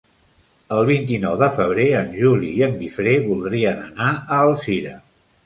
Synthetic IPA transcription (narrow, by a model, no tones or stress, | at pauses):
əlˠβ̞int̪inɔwðəfəβ̞ɾeənʲʒuliːəmɡifɾeβulˠd̪ɾiənənaəːlˠsiɾə